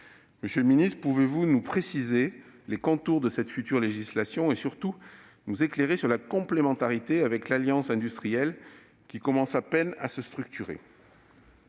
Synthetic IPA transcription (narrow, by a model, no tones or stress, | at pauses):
məsjølminist̪χpuvevunupχesizelekɔ̃t̪uʁd̪əsɛt̪fyt̪yʁleʒislasjɔ̃esyʁt̪u | nuzekleʁesyʁlakɔ̃plemɑ̃t̪aʁit̪eavɛklaljɑ̃sɛ̃d̪yst̪χijɛl | kʲikɔmɑ̃sapɛna̰səst̪χyk̚t̪yʁḛ